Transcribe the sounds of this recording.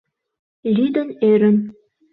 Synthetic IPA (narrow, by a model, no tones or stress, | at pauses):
lʲid̪ə̆neɾə̆n